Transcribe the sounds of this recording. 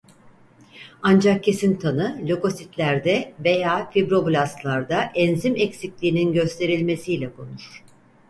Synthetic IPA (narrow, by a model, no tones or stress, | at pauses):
and͡ʒak̚cʰe̞sint̪ʰanɯlʲo̞ko̞sit̪lʲæɾd̪ɛve̞jaːfibɾo̞blʲˠast̪lˠaɾd̪aʔɛnzimɛcsiclʲiːninɟø̞st̪ʰe̞ɾilʲme̞sijlʲɛkʰo̞̰nuɾ̥